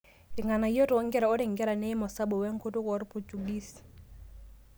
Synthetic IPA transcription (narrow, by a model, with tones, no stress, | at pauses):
ɪ˨ŋa˨na˨i˦jɔ˦tɔ˨˦ŋɡɛ˦ɾa˨ɔ˦ɾɪ˨ŋɡɛ˦ɾa˨nɛ˦ɪ˦mɔ˨sa˦bɔ˨wɛ˦ŋ̩˦ko˦tʊ˦kɔ˨˦ɾpu˨t͡ʃu˨ɡi˦si̥